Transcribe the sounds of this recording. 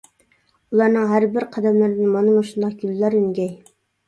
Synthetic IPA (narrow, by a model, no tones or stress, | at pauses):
ulˠɑɾnɨŋɦæɾbɪɾqʰɑd̪ɛmlɪɾɪd̪nmɑnɨmuʃund̪ɑq̚ɡʲylːæɾyŋɡʲɛj